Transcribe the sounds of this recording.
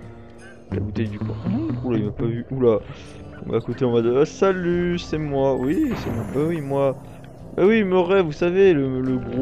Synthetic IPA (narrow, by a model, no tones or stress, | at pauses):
la̰but̪ɛjd̪ykwã̰ulaimapavyʔula | ɔ̰̃ma̰ːkot̪eɔ̃mad̪əsalysɛmwawisɛmɔ̃wɛwimwa | mɛwimɔʁɛvusavelələɡʁo